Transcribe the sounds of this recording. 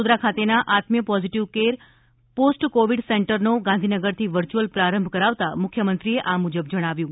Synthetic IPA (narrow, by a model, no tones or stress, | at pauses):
ud̪ɾakʰat̪enaʔat̪mjəpɔziʈiʋkeɾ | posʈkoʋiɖseɳʈəɾnoɡãnd̪ʱinəɡəɾt̪ʰiʋəɾt͡ʃuəlpɾaɾəmbʱkəɾaʋt̪amʊkʰjəmənt̪ɾieʔamud͡ʒəbd͡ʒəɽ̃aʋjũ